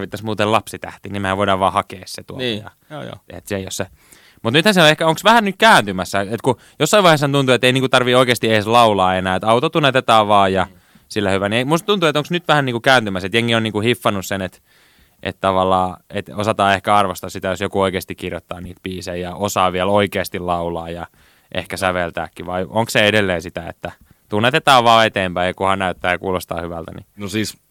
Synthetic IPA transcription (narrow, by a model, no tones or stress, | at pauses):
ʋit̪ːɑsmuːt̪elɑpsit̪æ̰ht̪inimææʋoiɾɑʋʋɑːhɑkeːsset̪ujɑ̰ | ḛt̪sejjosːe | mut̪nyt̪hænseoehkæoŋksʋæhænnyt̪kæːnt̪ymæsːæet̪ku | josːɑiʋɑiheshɑnt̪unt̪uet̪ːeiniːŋkut̪ɑrʋioikeːst̪ieslɑulɑːenæːet̪ɑut̪ot̪ːunːɑt̪et̪æːʋɑːjɑ | silːæhyʋænieimust̪t̪unt̪uet̪õŋksnyt̪ʋæhæniːŋkukæːnt̪ymæset̪jeŋːionniːkuhifːɑnussenet̪ | ʔḛt̪t̪ɑʋɑlːɑːet̪osɑt̪ɑːehkæɑrʋost̪ɑssit̪æjosjokuoikeːst̪ikːirjot̪ːɑːniːt̪piːseːjɑosɑːʋiæloikeːst̪illɑulɑːjɑ | ʔḛhkæsæʋelt̪æ̰ːkːiʋɑiʔoŋksseedelːeːsit̪æḛt̪ːæ | t̪unːet̪et̪ɑːʋɑːet̪eːmpæijɑkuhɑnnæyt̪ːæːjɑkuːlost̪ɑ̰ːhyʋælt̪ænḭnosiːs